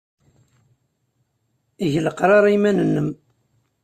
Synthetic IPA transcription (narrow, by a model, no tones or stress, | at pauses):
iʝləqɾˤɑɾˤimænənːəm